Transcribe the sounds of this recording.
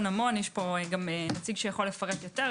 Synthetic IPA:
namo̞njɛʃpoɡamenat͡siɡʃejaχo̞lefaʁet̪jote

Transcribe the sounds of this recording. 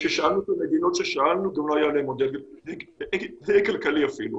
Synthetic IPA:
ʃeʃaalnukemed̪ino̞t̪ʃeʃaalnuɡamloajaleemod̪eled̪ejkalkaliafilṵ

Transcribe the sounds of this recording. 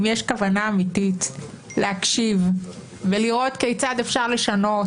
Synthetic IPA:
mjeʃkavanaːmitit | lehakʃiv | veliʁo̞tkejt͡sad̪e̞fʃaʁle̞ʃano̞

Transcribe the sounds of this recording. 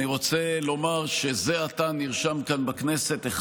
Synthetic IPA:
iʁo̞t͡selo̞maʁʃezeat̪aniʁʃamkanbakne̞se̞t̪eχ

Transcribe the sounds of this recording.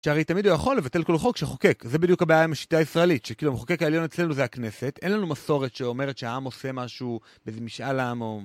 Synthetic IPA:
ʃeaʁejt̪amidlojaχo̞lːe̞vat̪e̞lko̞lχo̞kʃeχoke̞kzebid̪jukabajaimaʃi̥t̪aːisʁaelitʃekiːluemχokekaeljo̞net͡sslenuzeakne̞se̞tʔenlanumaso̞ʁet̪ʃeo̞me̞ʁet̪ʃeaamo̞se̞maʃu | bezemiʃʔalaamo

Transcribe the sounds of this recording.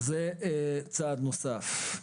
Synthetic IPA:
zet͡sad̪nosaf

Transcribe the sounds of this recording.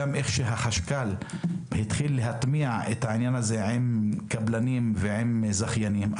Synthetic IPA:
amʔe̞χʃeɦaχaʃkalhit̪χilːeɦat̪miaʕet̪haʕinjanazeʕemkablanimveʕimzaχjanim

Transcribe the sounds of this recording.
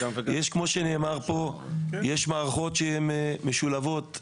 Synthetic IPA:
jeʃkmo̞ʃeneːmaʁpo̞jeʃmaːʁaχo̞t̪ʃeemːeʃulavo̞t̪

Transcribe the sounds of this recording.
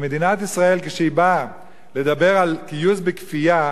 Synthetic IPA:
me̞d̪inat̪isʁae̞lkeʃeiba | le̞d̪abe̞ʁalkijuzbekfija

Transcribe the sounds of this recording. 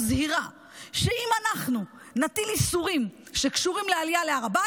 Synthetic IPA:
zhiʁa | ʃe̞imanaχnu | nat̪ilisuʁim | ʃekʃuʁimlealijaleaʁaba

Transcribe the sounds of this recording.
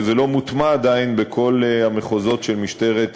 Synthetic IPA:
zelo̞mut̪maːd̪ainbekʰo̞lameχozo̞t̪ʃelmiʃt̪e̞ʁet̪

